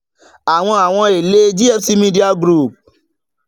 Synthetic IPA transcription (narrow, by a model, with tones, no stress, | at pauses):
a˨w̃ɔ̃˧a˨w̃ɔ̃˧e˨le˦d͡ʒi˦ɛ˦fsi˦mĩ˦di˦a˧ɡɾu˦˨p̚